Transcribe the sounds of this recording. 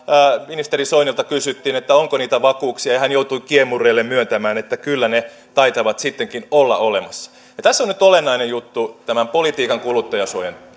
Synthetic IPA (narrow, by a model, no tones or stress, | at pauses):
minist̪erisoinilt̪ɑkysyt̪ːiːnet̪ːæoŋkoniːt̪æʋɑkuːksiɑjɑhænjout̪uikiemurˑeːlːemmyønt̪æmæːnet̪ːækylːæne | t̪ɑit̪ɑʋɑt̪sit̪ːeŋkinolːɑ̰olemɑsːɑ̥ | jɑt̪æsːonyt̪olenːɑinejjut̪ːut̪æmæmpolit̪iːkɑŋkulut̪ːɑjɑsuojen